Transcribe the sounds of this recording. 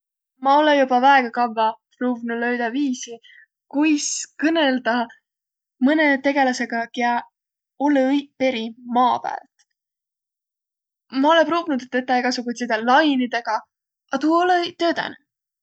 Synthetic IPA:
mɑo̞lejubɑvæeɡ̥ɑkɑvːɑpruːvnulø̞ɥd̪ɑviːsi | kujskɤne̞ld̪̥ɑ | mɤne̞t̪e̞ɡe̞lɑse̞ɡ̥ɑkeæ | ulːpe̞ɾimɑːpæ̰ːlt̪ | mɑo̞lepruːvinud̪et̪ːet̪ːˑɑeɡ̥ɑsukut̪sid̪ɑlɑjnid̪e̞ɡ̥ɑ | ʔɑt̪uːolet̪ø̞ːt̪ɑ̰ne

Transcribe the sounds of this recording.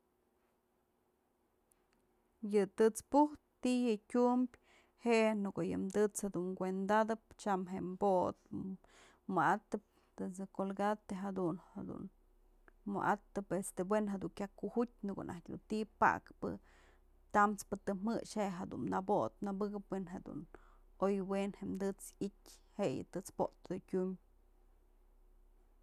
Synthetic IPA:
jɨt̪ɨt͡spuht̪ːijɨkʲumbʲ | heʔnukojɨmd̪ɨt͡shad̪uŋɡʷend̪ad̪ɨp̚t͡ʃamɦeʔmboʔt̪ | mɨat̪ɨp̚ | t̪ɨsɨkolɡat̪eɦad̪unhad̪ṵn | mɨ̰ʔat̪ɨpest̪ebwenɦad̪uŋkʲakuhut̚ʲnɨkṵnʔa̰hkʲd̪ṵnt̪ipa̰ʔkpɨ̰ | t̪amt͡spɨt̪ɨmɨʂheʔɦad̪ṵnnabot̪̚nabɨɡɨpwenɦed̪ṵn | ojwenheʔmd̪ɨt͡sitʲhejɨ̰t̪ɨt͡spoʔt̪ɨd̪ɨkʲum

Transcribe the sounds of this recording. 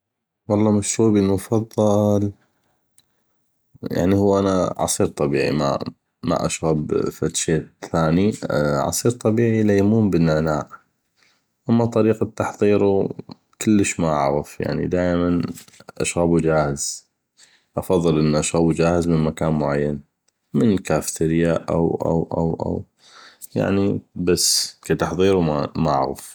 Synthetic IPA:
wɑlˤːɑːmaʃɾuːbinmʊfɑðˤːɑl | ja̰ʕnihuːʔanaʕɑ̰sˤiːɾt̪ˤɑbḭːʕḭma̰ | ma̰ʔa̰ʃɣabfat̪ʃeːθaːniʕɑ̰sˤiːɾt̪ˤɑbiːʕilajmuːmbənːanaːʔ | ʔamːat̪ˤɑɾiːqat̪ːɑħðˤiːɾu | kəlːəʃmaʔa̰ʕɣəfja̰ʕnḭd̪aːʔmanʔa̰ʃɣabud͡ʒaːhɪz̥ | ʔɑfɑðˤːɨlʔənːʔaʃɣabud͡ʒaːhəzmənmakaːnmʊʕajːan | mɪnkaːft̪ɪɾɪjaʔa̰wʔa̰wʔa̰wʔa̰w | ja̰ʕnibasːkat̪ɑħðˤiːɾumamaʔʕɣa̰f

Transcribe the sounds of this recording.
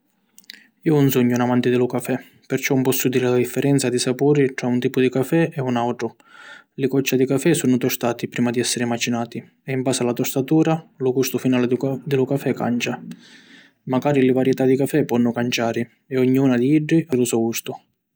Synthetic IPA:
iːʊunsuɲːʊunamant̪ɪd̪ɪlʊkafɛ | pɪrt͡ʃɔmpɔsːud̪iːɾɪlad̪ifːɛɾɛnt̪sad̪isapuːɾiʈɾaunt̪iːpʊd̪ikafɛɛunawʈɾʊ | lɪkɔt͡ʃːad̪ikafɛsunʊt̪ɔst̪aːt̪ipɾiːmad̪iɛsːɪɾɪmat͡ʃinaːt̪i | ɛimbaːsɪalat̪ɔst̪at̪uːɾalʊkust̪ʊfinaːlɪd̪ɪlʊkafɛka̰nt͡ʃa | maɡaːɾilɪvaɾjɛt̪ad̪ikafɛpːɔnːʊkant͡ʃaːɾɪ | ɛɔɲːiuːnad̪iiɖːiʔalʊsɔɡust̪ʊ

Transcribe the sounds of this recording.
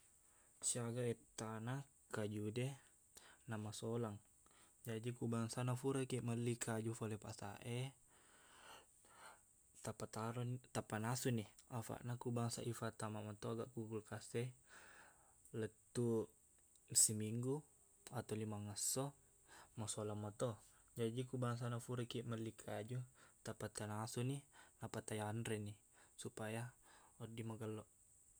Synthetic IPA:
siaɡaɛt̪ːana | kad͡ʒudɛ | namasolaŋ | d͡ʒadikubaŋsanafuɾakɛməlːikʰad͡ʒufolɛpasa̰ʔe | t̪apat̪aɾɔnt̪apanasuniafa̰ʔnakubaŋsa̰ʔifat̪amamat̪ɔaɡaʔkukulkasɛ | lət̪ːu | simiŋɡu | at̪alimaŋəsːɔ | masɔlamat̪ɔ | d͡ʒadikubaŋs̬anafuɾɛkiʔməlːikʰad͡ʒut̪apat̪anasuninapat̪ajanɾɛnisupajaɔdimaɡəlːɔʔ

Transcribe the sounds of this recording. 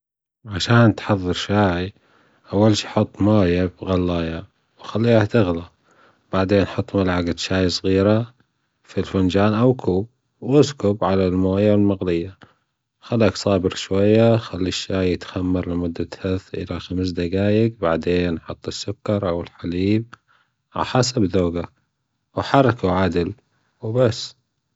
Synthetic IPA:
ʕaʃaːnt̪ħɑðˤːɨɾʃaːʕi | ʔawːalʃiħʊt̪ˤːmaːjabɣalːɑːja | wxalːiːhat̪ɪɣla | b̥aʕd̪eːnːħɑt̪ˤːmalʕaɡad̪ʃaːjisˤɣiːɾa | filfʊnd͡ʒaːnʔawkʰuːb̚ | wʔɪskʊbʕalalmoːjalmaɣlɪjːa | xalːaːksˤɑːbɪɾʃwajːaxalːiʃːaːjɪt̪xamːɑɾˤlɪmʊd̪ːat̪haθʔɪ̰laxams̬d̪aɡaːjɪɡbaʕd̪eːnħɑt̪ˤːɨsːʊkːɑɾˤʔawɪlħaliːb̚ | a̰ħasabðoːɡa | wħɑɾˤɑkuʕad̪ɪl | wbasː

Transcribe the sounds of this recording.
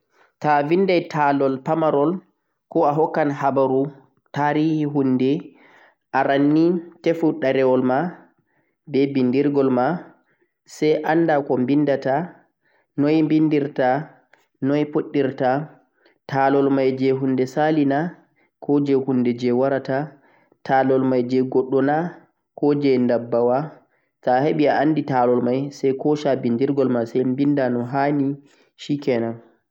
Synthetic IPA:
tavindajtʰalɔlpamaɾɔl | kɔaɦɔkːanhabaɾu | taːɾihiɦunːdɛ | ʔaɾanːitefuɗaɾɛwɔlma | bɛbindiɾɡɔlma | sɛjʔandakɔmbindata | nɔjmbindiɾta | nɔjpoɗːiɾta | tʰalɔlmajd͡ʒɛɦundɛsalina | kʰɔd͡ʒɛhunːdɛd͡ʒɛwaɾata | tʰalɔlmajd͡ʒɛɡɔɗːɔna | kɔd͡ʒɛndabːawa | taɦeɓiaʔanːditalɔlmajsɛjkɔʃabindiɾɡɔlmasɛjmbindanɔɦani | ʃikɛna

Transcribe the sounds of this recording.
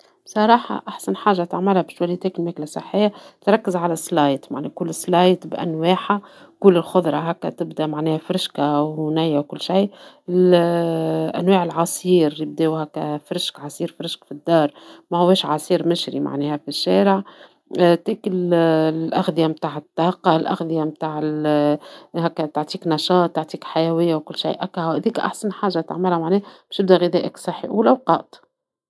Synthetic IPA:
bsˤɑɾˤɑːħɑ̰ʔaħsanħaːʒːat̪aʕmɪlhæbʃwæjːt̪eːkɪlmæːklasˤɑ̰ħːɪjːat̪ɾˤɑkːɪzʕalæsˤlɑːjt̪maʕnɛkʊlːəsˤːlɑːjt̪bʔæ̰nweːħa | kʊlːɪlxʊðˤɾˤɑɦækːæ̰t̪ɪbd̪æmaʕnɛːhæfɾɪʃkawnæjːawkʊlːʃij | ɪl | ʔæ̰nweːʕɪlʕɑsˤiːɾjɪb̚d̪eːwhækːæfɾɪʃkʕɑsˤiːɾfɾɪʃkfid̪ːɑːɾˤmæhʊwːɛːʃʕɑsˤiːɾmɪʃɾḭma̰ʕnɛːhæfiʃːɛːɾəʕ | t̪iːkɪllʔaxd̪ɪjamt̪aːʕɪt̪ːɑqːɑlʔa̰xd̪ɪjamt̪aːʕɪl | hɛkːæt̪oʕt̪ˤiːknɑʃɑːt̪ˤːoʕt̪ˤiːkħajæwɪjːawkʊlːʃḭjːʔækːæhhɪðiːkʔa̰ħsanħaːʒːat̪a̰ʕmɪlhæmaʕnɛːhæb̥æʃt̪ɪb̚d̪æɣɪd̪ɛːʔəksˤɑħːḭʔuːlæwqɑːʔt̪ˤ

